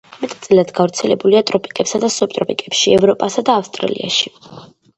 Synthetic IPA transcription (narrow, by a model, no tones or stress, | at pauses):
mɛt̪ʼt̪sʼilad̪ɡavɾt̪sʰɛlɛbuliat̪ʼɾɔpʼikʼɛpsad̪asɔp̚t̪ʼɾɔpʼikʼɛpʃiɛvɾɔpʼasad̪aːfst̪ʼɾa̰lḭa̰ʃi